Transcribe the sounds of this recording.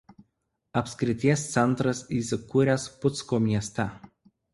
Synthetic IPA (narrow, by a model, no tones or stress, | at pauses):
ɐpʲsʲkʲɾʲɪt̪ʲiɛst̪sʲɛnˑt̪ɾɐsiːsʲɪkʊɾʲæspʊt̪skoːmʲiɛsʲt̪ʲɛˑ